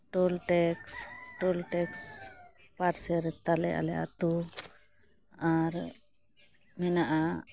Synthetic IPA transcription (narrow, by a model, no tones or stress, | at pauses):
ʈolʈɛksʈɔlʈɛks | paɾsɛɾt̪alɛjʔa̰lɛʔa̰t̪u | aɾ | mɛnaʔa